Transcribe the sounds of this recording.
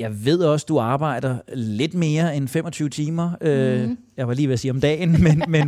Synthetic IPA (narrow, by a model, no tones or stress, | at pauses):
jɑ̈ɪʋe̝ð̞̰ˠɒ̽sd̥uɑ̈ːb̥ɑ̈ɪ̰d̥ɐle̝d̥me̝ːɐenfem̰ɒ̽t͡sʰyːʊət͡sʰiːmɐøjɑʋɑæliːʋeɐsiːɒmd̥ɛ̰ːnmenmen